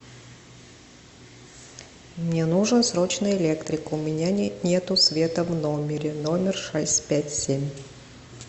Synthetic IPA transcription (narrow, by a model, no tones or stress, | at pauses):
mnʲenuʐnsɾot͡ɕnʊjʊɪlʲe̞kt̪ɾʲɪkʊʊmʲɪnʲanʲet̪ʊsvʲe̞t̪əvnomʲɪɾʲɪnomʲɪrʂɛsʲtʲpʲætʲsʲemʲ